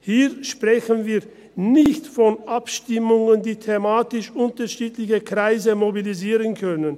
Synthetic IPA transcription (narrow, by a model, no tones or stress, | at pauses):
hiːʃpʁ̥ɛçənviːɐ | nɪçtfɔnʔapʃtɪmʊŋəndiːtʰemaːtɪʃʔʊntɐʃiːtlɪçəkʁ̥aɪzəmobiliziːʁənkʰœnən